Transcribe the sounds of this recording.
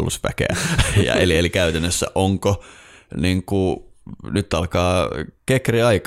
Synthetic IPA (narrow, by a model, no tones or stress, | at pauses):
lːṵspæ̰kḛæ̰jɑ̰ḛlielikæyt̪ænːøsːæ̰ʔoŋkoniŋkunyt̪ːɑlkɑːkekriɑik